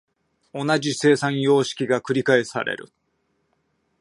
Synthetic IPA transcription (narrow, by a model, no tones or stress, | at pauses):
o̞nad͡ʑise̞ːsãɰ̃jo̞ːɕi̥kʲiɡakɯ̟ɾʲikae̞sa̰ɾḛɾɯ̟̰